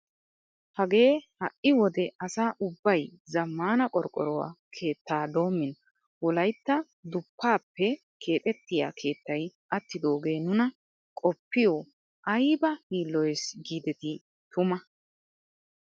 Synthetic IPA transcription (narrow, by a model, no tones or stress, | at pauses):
hɐɡe̞ːhɐʔʔɪwɔd̪ɛɐsaːʔʊbːɐjzɐmːaːnɐkʼɔɾkʼɔ̰ɾɔwa̰ːkʰe̞ːt̪ːaːd̪o̞ːmːɪn | wɔlɐjt̪ːɐ | d̪ʊpːaːpːɛ | kʰe̞ːt̪ʼɛt̪ːɪja̰ːkʰe̞ːt̪ːɐjʔɐt̪ːɪd̪o̞ːɡe̞ːnʊnɐ | kʼɔpːɪjoː | ʔɐjbɐhiːlːɔjsɡiːd̪ɛt̪ɪ | t̪ʊmɐ